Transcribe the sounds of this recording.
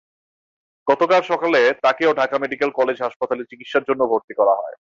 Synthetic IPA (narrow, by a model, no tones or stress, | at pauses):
ɡ̥ɔt̪okaɾʃɔkalet̪akeoɖʱakameɖikelkɔled͡ʑɦaʃpat̪alet͡ɕikit̪ʃaɾd͡ʑonːobʱoɾt̪ikɔɾaɦɔe